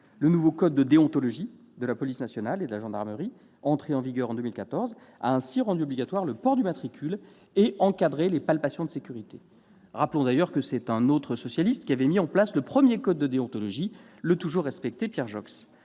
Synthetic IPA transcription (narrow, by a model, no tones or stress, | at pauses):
lənuvokɔd̪ːəd̪eɔ̃t̪ɔlɔʒi | d̪əlapɔlisnasjɔnaled̪əlaʒɑ̃d̪aʁməʁi | ɑ̃t̪χeɑ̃viɡœʁɑ̃d̪ømilkat̪ɔʁz | a̰ɛ̃siʁɑ̃d̪yɔbliɡʲat̪waʁləpɔʁd̪ymat̪χikʲʰyl | eʔɑ̃kad̪ʁelepalpasjɔ̃d̪əsekʲyʁit̪e | ʁaplɔ̃d̪ajœʁkəsɛt̪ɛ̃not̪χəsɔsjalist̪kʲiavɛmiɑ̃plasləpχəmjekɔd̪ːəd̪eɔ̃t̪ɔlɔʒilət̪uʒuʁːɛspɛk̚t̪epjɛʁʒɔks